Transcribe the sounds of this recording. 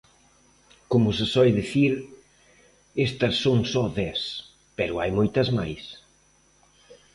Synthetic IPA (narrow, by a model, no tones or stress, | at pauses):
komʊsɪsɔjðiθiɾ | est̪ɐsːõŋsɔðɛs | pɛɾʊajmojt̪ɐzmajs